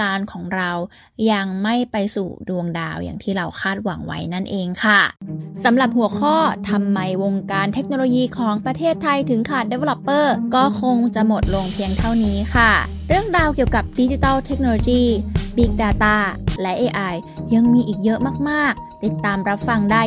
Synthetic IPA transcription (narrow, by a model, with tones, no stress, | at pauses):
kaː˧nkʰɔː˩˦ŋɾa˧w | ja˧ŋma˥˩jpa˧jsṵː˨˩du˧əŋdaː˧wja̰ː˨˩ŋt̪ʰiː˥˩ɾa˧wkʰaː˥˩t̪̚wa˩˦ŋwa̰˦˥jna˥˩nʔeː˧ŋkʰa˥˩sa˩˦mɾa˨˩p̚hu˩˦əkʰɔː˥˩t̪ʰa˧mːa˧jwo˧ŋkaː˧nt̪ʰe˦˥k̚noː˧loː˧jiː˧kʰɔː˩˦ŋpɾa˧t̪ʰeː˥˩t̪ʰːa˧jt̪ʰɯ˩˦ŋkʰaː˨˩t̪̚de˧˦˥wlɔ˧˩pːɤː˥˩kɔː˥˩kʰo˧ŋt͡ɕa˨˩ʔmo˨˩t̪̚lo˧ŋpʰi˧əŋt̪ʰa˥˩wniː˦˥kʰa˥˩ | ɾɯ˥˩əŋdaː˧wki˨˩əwka˨˩p̚di˦˥t͡ɕi˧t̪ɔː˥˩wt̪ʰe˦˥k̚noː˧loː˧jiː˥˩bi˦˥k̚daː˧t̪aː˥˩lɛ˦˥ʔeː˧ʔa˧j | jːa˧ŋmiː˧ʔiː˨˩k̚jɤ˦˥ʔmaː˥˩k̚maː˥˩k̚t̪i˨˩t̪ːaː˧mɾa˦˥p̚fa˧ŋdaː˥˩j